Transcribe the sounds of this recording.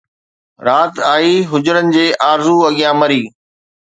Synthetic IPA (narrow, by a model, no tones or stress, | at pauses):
ɾaːt̪aːiːɦʊd͡ʑʊɾənɪ̆d͡ʑeːʔaːɾzuɐɠijãmɐɾiː